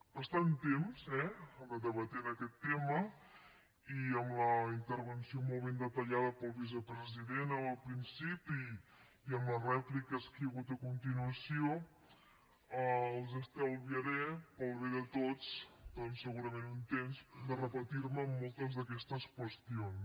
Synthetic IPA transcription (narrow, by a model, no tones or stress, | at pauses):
pəst̪aunt̪emzɛəəd̪əβət̪ɛnəkɛt̪ːemə | iəmləint̪əɾβənsiomolˠβend̪ət̪əʎaðəpəlˠβiz̬əpɾəziðenəəlˠpɾinsipiː | əmlərɛplikəskəjəɣut̪əkunt̪inuəsio | əlˠzəst̪ɛlˠβiəɾɛpəlˠβeðət̪ot͡sd̪̥ɔnsːəɣuɾəmenunt̪emzd̪ərəpət̪iɾməːmːolˠt̪əzðəkɛst̪əskwəst̪ion